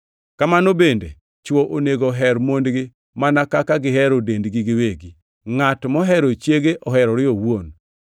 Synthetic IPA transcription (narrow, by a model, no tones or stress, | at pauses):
kamanobendḛ | t͡ʃwoʔoneɡoɦɛɾmondɡɪ | manakakaɡɪɦɛɾodendɡiɡɪweɡi | ŋatmɔɦɛɾot͡ʃjeɡeʔɔɦɛɾɔɾɪɔwwon